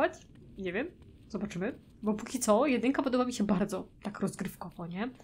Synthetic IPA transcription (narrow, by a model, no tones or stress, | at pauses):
at͡ɕ | ɲevʲjɛm | zɔbat͡ʂɘmɘ | bɔpukʲit̪sɔjɛd̪ɘŋkapɔd̪ɔbamʲiɕɛbaɾd̪zɔt̪akɾɔzɡɾɘfkɔvɔɲɛ